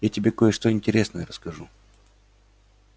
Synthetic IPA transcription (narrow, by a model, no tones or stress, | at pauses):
jatʲɪbʲeko̞jəʂt̪o̞ɪnʲtʲɪɾʲe̞snəjəɾəskɐʐu